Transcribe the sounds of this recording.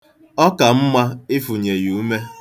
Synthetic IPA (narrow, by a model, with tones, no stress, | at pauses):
ɔ˦ka˨m̩˦ma˦ɪ˦fu˨ɲe˨ju˨˦me˦